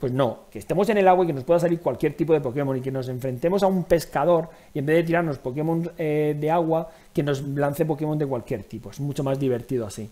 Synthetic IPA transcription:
pwe̞zno̞ke̞st̪e̞mo̞se̞ne̞laɣwake̞no̞spwe̞ðasaliɾkwalkje̞ɾt̪ip̬o̞ðe̞po̞kemõ̞nike̞no̞s̬e̞ɱfɾẽ̞nt̪e̞mo̞s̬aumpe̞skað̞o̞ɾ | iembe̞ðt̪̬iɾaɾno̞spo̞ke̞mõnsed̪e̞aɣ̞wa | ke̞no̞zlan̟θe̞p̬o̞ke̞mo̞nd̪e̞kwalkje̞ɾt̪ipo̞e̞zmut͡ʃo̞mazðiβ̞e̞ɾt̪iðoasi

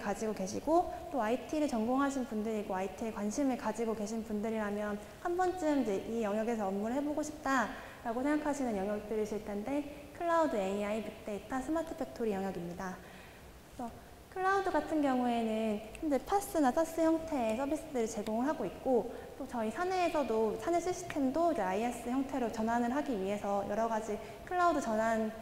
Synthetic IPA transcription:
kad͡ʑiɡoke̞ɕʰiɡot͈oaitʰiɾɯɭt͡ɕʌŋɡoŋɦaɕʰinpundɯɾiɡoaitʰiekwanɕʰimɯɭkad͡ʑiɡoke̞ɕʰinpundɯɾiɾamjʌn | hambʌnt͡ɕ͈ɯmid͡ʑe̞ʔijʌŋjʌɡe̞s̬ʰʌːmːuɾɯɭɦe̞boɡoɕʰip̚t͈a | ɾaɡosʰeŋɡakʰaɕʰinɯnjʌŋjʌk̚t͈ɯɾiɕʰiɭt͈ʰe̞nde̞kʰɯɭːaudɯeiaipuk̚t͈e̞itʰansʰɯmatʰɯ̥pʰek̚tʰoɾijʌŋjʌɡimɲida | esʰʌ | kʰɯɭːaudɯɡatʰɯnɡjʌŋue̞nɯnhʌmd͡ʑepʰas͈ɯnasʰas͈ɯçjʌŋtʰe̞ːsʰʌbis͈ɯdɯɾit͡ɕe̞ɡoŋɯɭɦaɡoik̚k͈ot͈ot͡ɕʌisʰane̞ːsʰʌdosʰaneɕʰiɕ͈ʰi̥tʰe̞mdoid͡ʑeaies͈ɯçjʌŋtʰe̞ɾot͡ɕʌnɦanɯɭɦaɡiɥiɦe̞sʰʌjʔʌɾʌɡad͡ʑi | kʰɯɭːaudɯt͡ɕʌnɦan

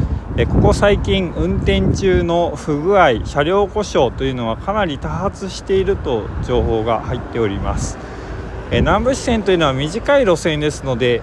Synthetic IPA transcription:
eko̞ko̞saikʲĩŋɯ̟̃nt̪ẽ̞ɲ̟t͡ɕɨːno̞ɸɯ̟ɡɯ̟aiɕaɾʲo̞ːko̞ɕo̞ːt̪o̞jɯ̟no̞βakʰanaɾʲit̪ahat͡sɨɕi̥t̪e̞iɾɯ̟t̪o̞d͡ʑo̞ːɦo̞ːɡa̰hait̪ːe̞o̞ɾʲima̰sɨ̥ | enãmbɯ̟ɕi̥sent̪o̞iɯ̟no̞βamʲiʑikaiɾo̞sẽ̞nd̪e̞sɨno̞d̪e̞

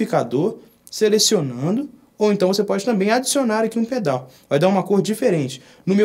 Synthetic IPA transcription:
ikad̪oɾ | selesionɐ̃nd̪ʊ | owẽnt̪ɐ̃w̃vosepɔd͡ʒɪt̪ɐ̃mbẽj̃ad͡ʒi̥sionaɾakiũped̪awvajd̪aɾũakoɾd̪ʊd͡ʒifeɾẽnt͡ʃɪ̥ | nʊ̃me

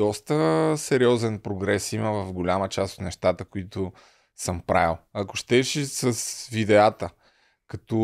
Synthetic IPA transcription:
ɔst̪əsɛɾiɔzɛnpɾoɡɾɛsiməvɐvɡolʲamət͡ʃast̪o̥t̪nɛʃt̪at̪əkʊit̪ʊ | səmpɾa̰ilˠɐkʊ̥ʃt̪ɛʃisəsvid̪ɛat̪ə | kɐt̪ɔ

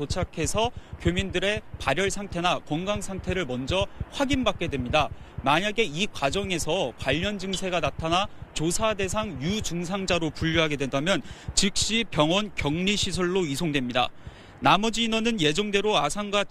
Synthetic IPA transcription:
ot͡ɕʰakʰe̞sʰʌkjomindɯɾe̞paɾjʌɭsʰaŋtʰe̞nakʌŋɡaŋsʰaŋtʰe̞ɾɯɭmʌnd͡ʑʌɸwaɡinbak̚k͈e̞dwe̞mɲidamaɲaɡe̞ikwad͡ʑʌŋe̞sʰʌkwaʎːʌnd͡ʑɯŋsʰe̞ɡanatʰanat͡ɕosʰade̞s̬ʰaŋjud͡ʑuŋs̬ʰaŋd͡ʑaɾopuʎːuɦaɡe̞dwendamjʌnt͡ɕik̚ɕ͈ipjʌŋwʌnkjʌŋɲiɕʰisʰʌɭːoisʰoŋdwe̞mɲida̰ | namʌd͡ʑiːnʌnɯnje̞d͡ʑʌŋde̞ɾoasʰaŋɡwa

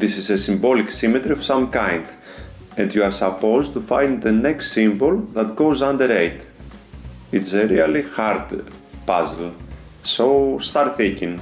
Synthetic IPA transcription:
ðisizesĩmboliksimet̪ɾiov̥sãmkãj̃nd | ɛ̃ndjuaɾsɐpozt̪ufãj̃nd̪ðənɛkst̪sĩmbolˠðɐt̪ɡozãnd̪əɾejt̪ | itseɾiɐlixaɾd̪pazəl | soʊst̪aɾt̪θĩŋkĩŋ

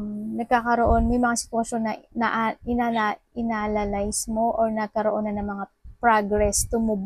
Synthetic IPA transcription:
nɐɡ̚kaːkɐɾo̞ʔo̞nmɐjmɐŋasɪ̥t̪wɐʃo̞nːɐnɐʔʔɪnaa | ɪnaːlɐlajsmoʔoɹnɐɡ̚kɐɾoʔonɐnɐŋmɐŋapɾaɡɾɛst̪ʊmʊb

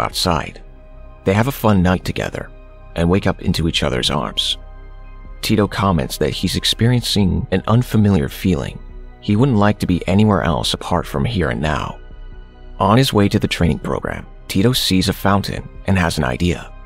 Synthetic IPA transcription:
ʔa̰ʊtsa̰ɪd̪̥̚ | ðeɪɨvəfʌ̃nːaɪk̚tʰɨɡɛ̰ðə̰˞ | ʔɨ̃nweɪkʌpɪ̰̃ntʉit͡ʃʌðə̰˞zɑ̰ɹmz̥ | tʰiɾoʊkʰɑmɛ̰̃ntsðɨ̰t̚hizɨkspɪɹiɨ̃nsɪ̃ŋɨ̃nʌ̃nfəmɪlˠjə̰˞filˠɪ̰̃ŋ | iwʊdⁿn̩ʔˡlaɪk̚tʰɨbiʔɛniwɛɹʔɛ̰lˠsəpʰɑɹtfɹʌ̃mɦiɹɨ̰̃nːa̰ʊ | ʔə̃nɨzweɪɾɨðɨtʰɹ̥ẽɪnɪ̃ŋpʰɹ̥o̰ʊɡɹæ̰̃m | tʰiɾoʊsizɨfãʊ̃ntʰɨ̰̃nʔɨ̃nɨz̃n̩a̰ɪdiɨ̰

